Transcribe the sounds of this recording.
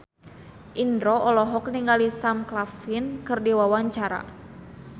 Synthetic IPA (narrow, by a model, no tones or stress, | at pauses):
ʔindɾɔɔlɔɦɔk̚niŋɡalisamklafinkɨrdiwawaɲt͡ʃaɾa̰